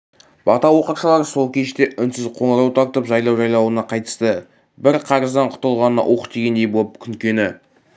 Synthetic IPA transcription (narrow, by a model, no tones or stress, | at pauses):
b̥ɑt̪ɑwo̞qəɾʃɑlˠɑɾəso̞lˠkʲʰe̞ʃt̪e̞ʔʏnsɪzqʰo̞ɴəɾɑwt̪ʰɑɾt̪əpʒɑjlˠɑwʒɑjlˠɑwənɑqʰɑjt̪ə̥st̪ə | bɪɾqʰɑɾəzd̪ɑɴqʰʊ̥t̪əlˠʁɑnənɑ̰ʔwʔo̞qd̪e̞ɡʲe̞nd̪e̞jbolˠəpkʲʰʏŋkʲe̞nɪ